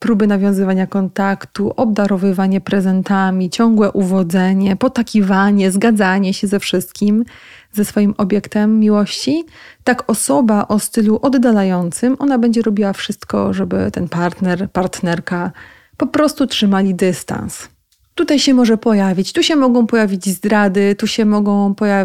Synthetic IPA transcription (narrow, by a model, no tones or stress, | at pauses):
pɾubɘnavʲjɔ̃w̃zɘvaɲakɔnt̪akt̪uʔɔbd̪aɾɔvɘvaɲɛpɾɛzɛnt̪amʲit͡ɕɔŋɡwɛʔuvɔd̪zɛɲɛpɔt̪akʲivaɲɛzɡad̪zaɲɛɕɛzɛfʂɘst̪̚kʲim | zɛsfɔjimʔɔbʲjɛkt̪ɛmːʲiwɔɕt͡ɕit̪akɔsɔbaʔɔst̪ɘluʔɔd̪ːalajɔnt̪sɘmʔɔnabɛɲd͡ʑɛɾɔbʲiwafʂɘst̪kɔ̰ʐɛbɘ̰t̪ɛnpaɾt̪nɛɾpaɾt̪nɛɾka | pɔpɾɔst̪utʂɘmalʲid̪ɘst̪a̰ns | t̪ut̪ajɕɛmɔʐɛpɔjavʲit͡ɕt̪uɕɛmɔɡɔ̃w̃pɔjavʲid͡ʑzd̪ɾad̪ɘt̪uɕɛmɔɡɔ̃w̃pɔja